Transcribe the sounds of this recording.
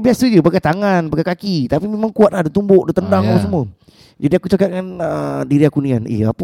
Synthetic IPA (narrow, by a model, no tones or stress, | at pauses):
biasəd͡ʒubaɡat̪aŋanbaɡakakit̪apimemaŋkuat̪̚lahdut̪umbʊʔdət̪əndaŋapasəmuə | d͡ʒadiakut͡ʃakat̪̚ŋanədiɾiakunianḛap